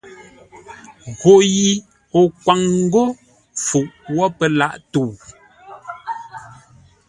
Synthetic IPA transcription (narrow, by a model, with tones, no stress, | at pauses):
ɣo˨ji˨ | o˨kwa˨ŋŋ̩˦ɡo˦ | fu˨ʔwɔ˦pə˨la̰˦˨ʔtu˨